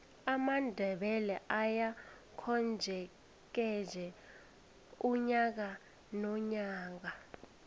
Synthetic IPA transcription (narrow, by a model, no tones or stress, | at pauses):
amandʱɛɓɛlɛʔaja | kʰɔnd͡ʒʱɛ | k̬ɛd͡ʒʱɛ | uɲak̬a | nɔɲaːk̬a